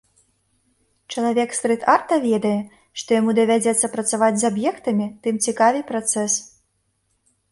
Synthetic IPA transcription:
t͡ʂɐlˠavʲɛkst̪ɾɨt̪art̪ɐvʲɛd̪ɐjɛ | ʂt̪ɔjamud̪ɐvʲad͡zʲɛt̪sːɐpɾɐt̪savad͡zʲzabjɛkt̪ɐmʲit̪ɨmt͡sʲikavʲɨpɾat̪sɛs

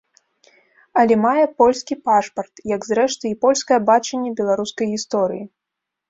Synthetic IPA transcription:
ɐlʲɛmajɛpɔlʲskʲipaʂpɐrt̪jɐɡzɾɛʂt̪ɨipɔlʲskɐjɛbat͡ʂɐnʲːɛbʲɛlˠaɾuskɐjɣʲist̪ɔɾɨji

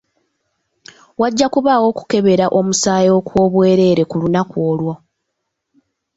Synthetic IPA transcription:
waɟːakuβaːwo̞ku̥ke̞βe̞ɾaʔo̞musaːjeokwo̞ːβwe̞ːɾe̞ːɾe̞kulunakwo̞ːlwo̞

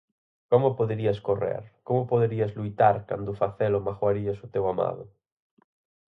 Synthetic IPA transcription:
komopoðeɾiaskorḛɾkomopoðeɾiazlujt̪aɾka̰nd̪ofaθelomaxwaɾiasut̪ewama̰ðo

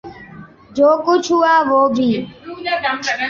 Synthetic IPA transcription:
d͡ʒoːkʊt͡ʃʰɦuaːʋoːbʱiː

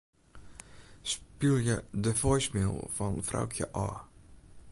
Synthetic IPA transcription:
spilˠjədəfɔjsmɪlˠfɔnfra̰wkʰjə̰ʔɔː

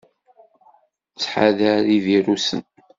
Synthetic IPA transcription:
t͡sːħa̰ðəɾiviɾusə̰n

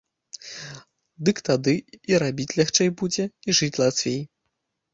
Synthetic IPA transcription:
d̪ɨkt̪ad̪ɨiɾabʲit͡sʲlʲaxt͡ʂɛjbud͡zʲɛiʐɨt͡sʲlˠat̪vʲej

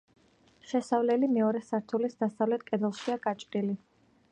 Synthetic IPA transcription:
ʃɛsavlɛlimɛɔɾɛsaɾt̪ʰulisd̪asavlɛt̪̚ʰkʼɛd̪ɛlˠʃiaɡ̥at͡ʃʼɾili

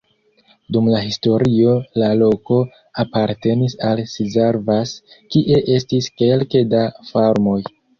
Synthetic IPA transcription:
dumlaɦisto̞ɾio̞lalo̞ko̞ | apaɾte̞nisalsizaɾvaskiʔe̞ʔe̞stiske̞lkedafaɾmoj

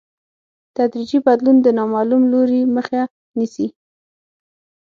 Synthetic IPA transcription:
t̪ad̪ɾid͡ʒibad̪lund̪ənɑmɑlumloɾiməxa | nisi

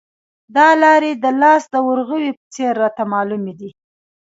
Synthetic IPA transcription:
d̪ɑlɑɾed̪əlɑsd̪əwʊɾɣəwipət͡seɾːɑt̪amɑlumed̪i

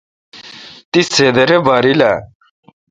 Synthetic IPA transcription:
t̪iseːd̪ɐɾebaːɾila̰

